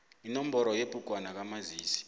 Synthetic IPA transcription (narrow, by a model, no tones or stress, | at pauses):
inɔmbɔɾɔjebʼuk̬ʼwanak̬amaziːsi̥